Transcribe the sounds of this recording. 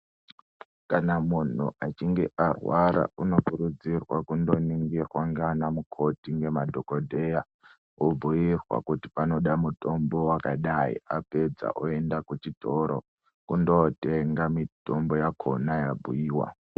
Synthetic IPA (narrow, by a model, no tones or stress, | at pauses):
kanamun̤ṵat͡ʃiŋɡeʔarwaɾa̰uno̞kuɾud͡zirwakundo̞niŋɡirwaŋɡanamukʰo̞tiŋɡe̞madʱokodʱeja | ubʱujirwa̰kuti̥pano̞ɗamuto̞mbo̞wakaɗaḭape̞d͡za̰ʔoe̞ndakut͡ʃitʰoɾʔo̰ | kundo̞teŋɡamito̞mbojakʰo̰najabʱujiːwa̰